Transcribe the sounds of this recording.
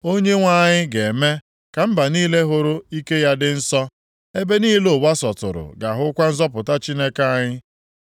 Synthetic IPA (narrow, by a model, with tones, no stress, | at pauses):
o˦ɲe˦ŋʷa˦˨ɲɪ˦ɡe˨me˦ | ka˨m̩˦ba˨niː˦le˦ɦʊ˦ɾʊ˦i˦ke˦ja˦dɪ˦n̩˦sɔ˦ | e˦be˦ni˦i˦lo˨ba˦sɔ˨tʊ̰˨ɾʊ̰˨ɡa˨ɦʊ˦kʷa˦n̩˦zɔ˦pʊ˨ta˦t͡ʃi˦ne˦ka˦ɲɪ˦